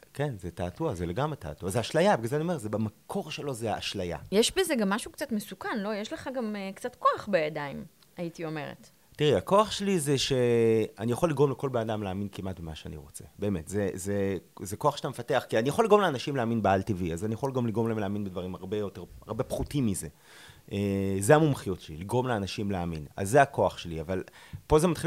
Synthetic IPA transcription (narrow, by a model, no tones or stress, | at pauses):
kenzetaːtuazeleɡamʁeta̰ːtuazeaʃlajabeɡlalzeaniome̞zebamakʰo̞ʁʃelo̞zeaʔaʃlaja̰jeʃbezeɡamːaʃukt͡satmesukanlo̞jeʃleχaɡamekt͡satko̞aχbejadaim | aitio̞me̞ʁḛt | tiʁiako̞aχʃelizeʃeanijaχolːiɡʁo̞mleko̞lbenadamleaːminkimʔatbemaʃea̰nḭʁo̞t͡se̞̰be̞ːme̞tzezezeko̞aχʃe̥tamefate̞aχkianijaχolːiɡʁomleanaʃimleaːminbealtiviazanijaχoliɡomliɡʁoleemleaːminbedvaʁimaʁbe̞jo̞te̞ʁa̰ʁbe̞pχutimːize̞ | ezeamumχijotʃeliliɡʁo̞mleanaʃimleamina̰zːeako̞aχʃe̞lḭavalpo̞zemat̪χi